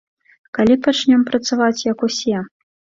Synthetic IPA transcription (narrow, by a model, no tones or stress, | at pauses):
kalʲipat͡ʃnʲɛmpɾɐt̪savat͡sʲjɐkusʲɛ